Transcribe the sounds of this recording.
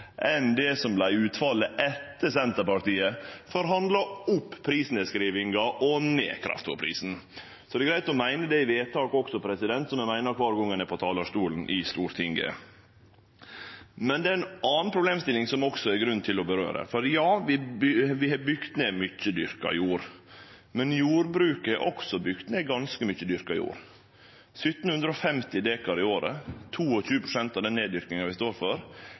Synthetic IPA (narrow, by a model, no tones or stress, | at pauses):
ʔɛnd̪ɛsɔmblæɪʉːt̪fɑlːəʔɛt̪ːəsɛnt̪əɾpɑɾʈ̪iːəfɔɾɦɑnd̪lɑʊpːpʰːɾiːsnɛskɾiːʋɪŋɡɑʔɔnḛːkʰɾɑ̰ft̪fɔ̰pʰɾḭːsn̩ | sɔd̪ɛɡɾæɪt̪ɔmæɪnəd̪ɛɪʋeːt̪ʰɑːkɔksɔpʰɾɛsɪd̪ɛnt̪sɔmæmæɪnəɾkʰʋɑːɾɡɔŋːənɛpʰɔt̪ʰɑːlɑʂt̪uːln̩ʔɪst̪uːɾt̪ʰɪŋɡə̰ | mɛnd̪ɛæɾɛnʔɑːnnpʰɾʊbleːmst̪ɪlɪŋsɔmɔksɔɛɾɡɾʉnːt̪ʰɪlɔbəɾø̰ːɾə̰fɔɾjɑːʋɪʋɪhɑbʏɡt̪neːmʏt͡ʃːəd̪ʏɾkɑ̰ɪ̰juːɾ | mɛnjuːɾbɾʉːkəɛʔɔ̰ksɔbʏɡt̪neːɡɑnskəmʏçəd̪ʏɾkɑɪ̰jṵːɾ | sʏt̪ːn̩hʉnd̪ɾəɔfɛmt̪ɪd̪eːkɑɾɪoːɾə̰t̪ʰuːɔçʉːəpʰɾʊsɛnt̪ɑʋd̪ɛnːeːd̪ʏɾknɪŋɑʋɪst̪oːɾfɔɾ